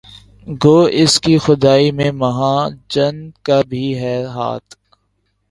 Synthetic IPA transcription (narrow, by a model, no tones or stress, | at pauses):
ɡoːɪskixʊd̪aːimẽmɐɦãːd͡ʒɐnkabʱiɦɛːɾɦa̰ːt̪